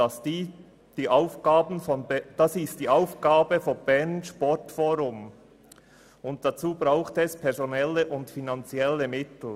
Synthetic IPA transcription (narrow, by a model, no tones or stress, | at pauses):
ɑsd̥iː | d̥iːʔaʊfɡ̥aːbn̩fɔnd̥ɑsɪstd̥iːʔaʊfɡ̥aːbəfɔnb̥ɛnʃpɔɹtfoːɾʊm | ʊnt̚d̥ɑt͡suːbɾaʊχtɛspʰɛɐɾzonɛlːəʔʊntfinɑnt͡sjɛlːəmɪtl̩